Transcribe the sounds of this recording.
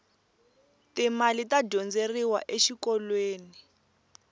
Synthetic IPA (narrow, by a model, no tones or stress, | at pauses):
timalitaɟɔnd͡zeriwa̰ʔeʃikɔlweːni